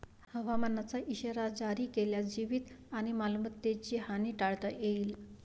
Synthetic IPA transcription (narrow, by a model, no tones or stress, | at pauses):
həʋamanːat͡saʔiɕəɾad͡ʑaɾiːkeljad͡ʑiʋit̪añimalmət̪ːet͡ɕiɦaniːʈaɭt̪əjeiːl